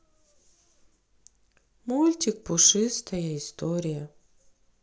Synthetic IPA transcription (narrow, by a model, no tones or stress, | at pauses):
mulʲt̪ʲik̚pʊʂɨst̪ɐjəɪst̪oɾʲɪjɐ